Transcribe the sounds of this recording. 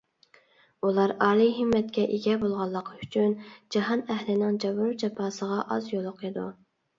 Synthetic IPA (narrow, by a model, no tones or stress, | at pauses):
ulˠɑɾɑːlˠiɦɪmːɛt̪̚kʲɛʔeɡʲɛbolˠʁɑlˠːəqʰyt͡ʃʰynd͡ʒɑɦɑnɛhlɪnɪŋd͡ʒɑbuɾut͡ʃɑpʰɑːsəʁɑʔɑzjolˠʊqʰid̪ṵ